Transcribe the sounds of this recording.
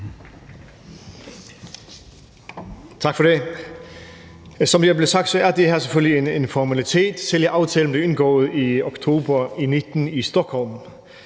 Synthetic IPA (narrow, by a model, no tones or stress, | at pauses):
t͡sʰɑ̈ɡ̥fɒde | sɒ̽mjæble̝sɑ̈ɡ̥d̥sɒ̽æɐd̥ehæɐseføllienenfɒmælit͡sʰe̝̰ːd̥seljəʔɑ̈ʊt͡sʰɛːlən̩bleenɡ̥ɔ̰ːð̩ˠiokt͡sʰo̝̰ːbɐinid̥n̩isd̥ɔkhɔ̽lm